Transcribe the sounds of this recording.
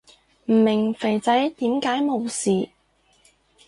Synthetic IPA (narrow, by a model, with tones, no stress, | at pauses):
m̩˨˩mɪ˨˩ŋfe˨˩jt͡sɐ˨˥jt̪iː˨˥mkaː˨˥jmo˨˧wsiː˨